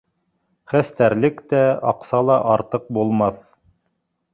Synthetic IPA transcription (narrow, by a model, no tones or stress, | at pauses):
χæst̪æɾlɘkt̪æɑ̰qsɑlˠɑʔɑɾt̪ɤq̚bulˠmɑθ